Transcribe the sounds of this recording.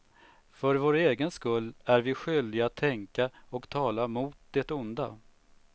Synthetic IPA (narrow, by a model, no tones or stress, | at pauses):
fœɾvoːɾeːɡənskɵlːæɾvɪɧʏld̪ɪɡat̪ʰːɛŋkaɔkt̪ʰɑːlamuːt̪̚d̪ɛt̪ʊnd̪a̰